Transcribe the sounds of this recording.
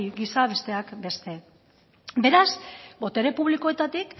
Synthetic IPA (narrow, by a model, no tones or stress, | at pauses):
ɡisaβe̞st̪e̞akbe̞st̪e̞ | be̞ɾasbo̞t̪e̞ɾe̞puβ̞liko̞e̞t̪at̪ik